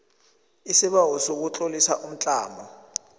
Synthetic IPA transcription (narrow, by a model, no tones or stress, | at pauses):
isiɓawɔsok̬ut͡ɬʼolisaʔum̩t͡ɬʼaːmɔ